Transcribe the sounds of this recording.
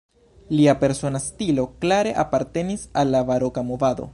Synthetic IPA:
liape̞ɾso̞nastilo̞klaɾe̞ʔapaɾte̞nisalːavaɾo̞kamovad̪o̞̰

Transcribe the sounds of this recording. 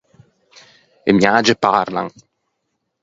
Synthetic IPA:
ḛmjaːd͡ʒeparla̰ŋ

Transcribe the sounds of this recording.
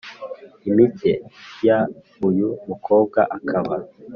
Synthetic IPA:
imitʰeja | ujumukʰo̞ːb̚ɡa̰ʔakʰaβa

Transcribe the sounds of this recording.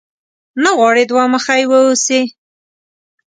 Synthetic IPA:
naɣwɑɽed̪waməxajwəuse

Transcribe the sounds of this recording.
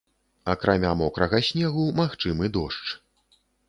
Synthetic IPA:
ɐkɾʔamʲamɔkɾɐɣɐsʲnʲɛɣumaxt͡ʂɨmɨd̪ɔʂt͡ʂ

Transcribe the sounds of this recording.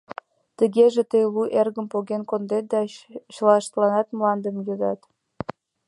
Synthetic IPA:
t̪əɣeʒet̪əjluʔerɣəmpoɣenkond̪et̪̚d̪ɑɕlɑʃt̪lɑnɑt̪mlɑnd̪əmjød̪ɑ̰t̪

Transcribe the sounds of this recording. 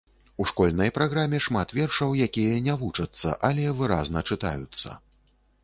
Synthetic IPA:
uʂkɔlʲnɐjpɾaɣɾamʲɛʂmat̪vʲɛrʂɐwjakʲijɐnʲavut͡ʂɐt̪sːɐ̰ʔalʲɛvɨɾa̰znɐt͡ʂɨt̪a̰jut̪sːɐ̰

